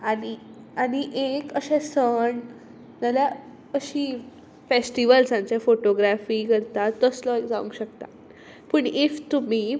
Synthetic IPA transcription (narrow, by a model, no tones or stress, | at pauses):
ani | aniʔekəɕɛ̃səɳ | nala | əɕiː | fesʈiʋəlsãɲt͡ɕjafoʈoɡɾafiːkəɾt̪at̪ːəslɔekd͡zaʋṵŋkɕəkt̪a̰ | pəɳift̪um̤iː